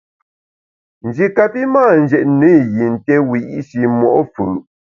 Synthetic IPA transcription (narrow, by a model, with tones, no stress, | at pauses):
n̩˨d͡ʒi˨ka˨pi˦maː˦˨n̩˨d͡ʒɛ˨ʔnə˦˨ji˨n̩˨tɛ˦wi˨ʔi˦ʃi˨mɔ̰˨ʔfɯ˨